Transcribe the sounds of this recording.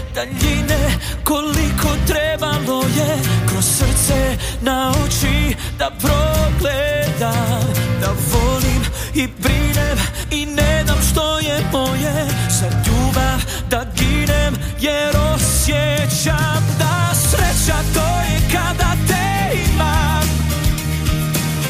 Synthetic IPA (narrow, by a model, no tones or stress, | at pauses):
d̪̥aʎineko̞likʰo̞t̪ɾebalojekɾossr̩t̪sɛnaut͡ʃi | d̪apɾoɡled̪amd̪avolim | ibɾinem | ineznamʃt̪ojɛmojezaʎuːbav | d̪aɡinem | jɛɾosjɛt͡ɕamd̪asɾet͡ɕat̪ojɛkad̪at̪e | ima | m